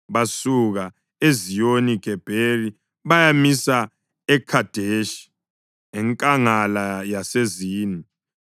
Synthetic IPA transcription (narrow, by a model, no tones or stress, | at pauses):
βasuɣa | ezijoniɡ̥ʱɛb̥ʱeli | βajamisa | ɛkʰad̥ʱeʃi̥ | ɛŋkʼaŋalajaseziːni